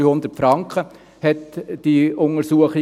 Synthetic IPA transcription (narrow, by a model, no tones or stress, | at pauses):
yːhʊnd̪ətfɾɑŋkχə | hɛtd̥iʊŋəɾsuəχi